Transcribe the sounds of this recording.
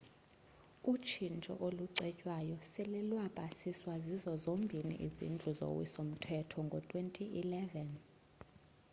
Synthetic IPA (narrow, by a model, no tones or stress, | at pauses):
ut͡ʃʰint͡ʃʼɔ̰ʔoluǀɛcʼwajɔsɛlilwapʼasiswazizɔzombʱinḭʔḭzḭnd͡ɮʱuzo̰wḭsom̩tʰɛtʰɔŋɡʱɔtʼwentʼiʔilɛvɛn